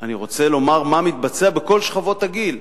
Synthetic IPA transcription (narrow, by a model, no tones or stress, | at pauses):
aniʁo̞t͡se̞lo̞maʁmamit̪̚bat͡seabeko̞lʃχavo̞t̪aɡil